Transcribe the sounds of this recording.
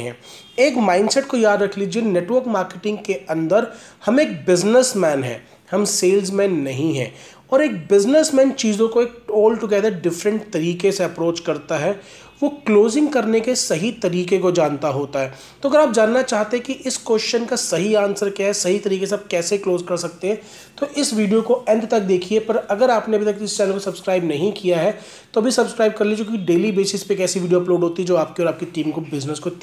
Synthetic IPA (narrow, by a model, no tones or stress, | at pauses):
ɦɛ̰̃ː | eːkmãːɪ̃ɳɖsɛʈ̚kojaːd̪ɾɐkʰliːd͡ʒieneːʈwʋəɾkmaːɾkeʈɪ̃ŋɡkeɐ̃nd̪əɾ | hɐmeːk̚bɪznəsmɛːnɦɛ̰ː | hɐmseːlzmɛ̃ːnːɐɦĩɦɛ̰ː | ɔːɾeːk̚bɪznəsmɛ̃ːnt͡ʃiːzõkoeːk̚oːlʈʊɡɛːd̪əɾɖɪfɾə̃ɳʈt̪ɐɾiːkeseɐpɾoːt͡ʃkɐɾt̪aɦɛː | ʋokloːzɪ̃ŋɡkɐɾnekesɐɦit̪ɐɾiːkekod͡ʒaːnt̪aɦoːt̪aɦɛː | t̪oːɐɡəɾaːp̚d͡ʒaːnːat͡ʃaːɦt̪eɦɛ̃kiʔɪskwɛst͡ʃənkasɐɦiaːnsəɾkjaɦɛsɐɦit̪ɐɾiːkeseaːp̚kɛːsekloːzkɐɾsɐk̚t̪eɦɛ̃ː | t̪oʔɪsʋiːɖijokoɛ̃nd̪t̪ɐk̚d̪eːkʰiepɐɾɐɡəɾaːpneɐbʱit̪ɐkːɪst͡ʃɛːnəlkosɐbskɾaːɪbnɐɦĩkijaɦɛ | t̪oɐbʱisɐbskɾaːɪb̚kɐɾliet͡ʃõːkiɖeːlibeːsɪspekɛːsiʋiːɖijoɐploːɖɦoːt̪iɦɛd͡ʒoːaːp̚kiɔɾaːp̚kiʈiːmkobɪznəsko